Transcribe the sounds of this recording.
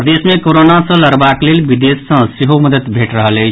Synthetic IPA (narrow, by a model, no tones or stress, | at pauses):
pd̪esmẽkoɾonasə̃ləɾbaklelbid̪esːə̃seɦoməd̪ət̪bʱeʈɾəɦəlɛ